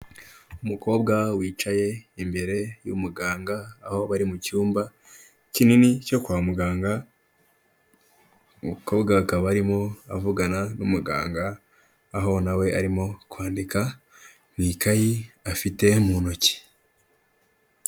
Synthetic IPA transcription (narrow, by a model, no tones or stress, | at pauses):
umuko̞ːbɡawiːt͡ʃaje̞imbe̞ɾe̞jṵmuɡaːŋɡaːho̞βaɾimucuːmba | cininico̞kwaːmuɡaːŋɡa | umuko̞ːbɡakaβaɾimo̞avuɡananumuɡa̰ːŋɡaː | ɦo̞nawe̞ʔa̰ɾimo̞kwaːndika | mŋiːkajiafite̞muno̞ci̥